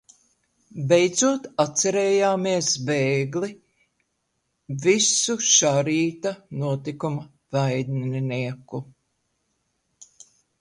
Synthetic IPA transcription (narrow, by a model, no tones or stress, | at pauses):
bejd̪zuɔt̪at̪sɛɾeːjaːmiɛsbeːɡli | visuʃaɾiːt̪anuɔt̪ikum | vajd̪niniɛku